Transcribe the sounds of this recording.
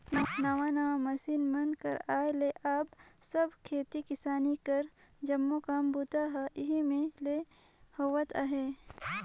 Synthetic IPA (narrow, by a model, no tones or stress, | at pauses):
nnɐwanɐwamɐsiːnmɐnkɐ̰ɾaːeleʔaːbsɐbkʰeːt̪ikɪsaːnikɐɾd͡ʒɐmːokaːmbuːt̪aɦaʔɪɦimẽle | hoːwət̪aːɦeː